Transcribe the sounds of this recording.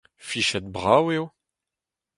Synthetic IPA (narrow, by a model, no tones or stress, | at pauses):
fiʃɛt̪̚bʁaweo